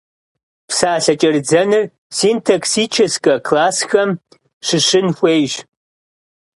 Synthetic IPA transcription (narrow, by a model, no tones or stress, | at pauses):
psaːɬɐt͡ʃʼɐrd͡zɐnɨr | siːntʰɐksiːt͡ʃʰɐskʼɐkʰlaːsxɐm | ʂɨʂɨnxʷejʒ